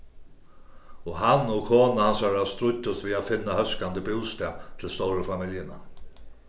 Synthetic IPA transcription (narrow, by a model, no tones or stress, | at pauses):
ɔɦanːɔkʰoːnahansaɾast̪ɾʊt̪ːʊst̪viaðfɪnːahœskand̪əbɪwst̪ɛat̪ʰɪlst̪ɔwɾəfamɪljɪna̰